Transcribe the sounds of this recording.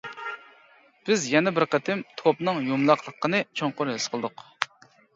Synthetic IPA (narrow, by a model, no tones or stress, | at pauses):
b̥ɪzjɛnɛbɪɾqət̪ʰɪmt̪ʰopnɨŋjomlˠɑqlˠəqːənɨt͡ʃʰoŋqʊɾɦɪsqʰəlˠd̪ʊq